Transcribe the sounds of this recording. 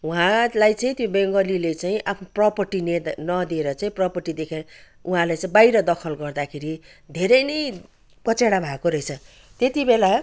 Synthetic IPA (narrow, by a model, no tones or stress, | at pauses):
uɦãlajt͡saĩt̪jõbeŋɡʌlilet͡saĩʔapʰnoprʌpʌrʈinenʌd̪ieɾʌt͡saĩprʌpʌrʈid̪ekʰe | uɦãlajt͡saĩbajɾʌd̪ʌkʰʌlɡʌrd̪akʰeɾi | d̪ʱeɾʌjnʌj | kʌt͡seɽabʱakoɾʌjt͡sʰʌ | t̪et̪ibela